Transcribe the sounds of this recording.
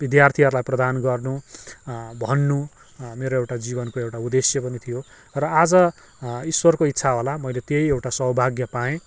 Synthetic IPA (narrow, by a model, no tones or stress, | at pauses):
bid̪jart̪ʰiʌɾulajprʌd̪anɡʌrnu | bʱʌnːu | meɾoewʈad͡zibʌnkoewʈaud̪esjʌpʌnit̪ʰijo | rʌad͡zʌ | iswʌrkoit̪ːsʰaɦolamʌjlet̪ejewʈasʌɦwbʱaɡjʌpaẽ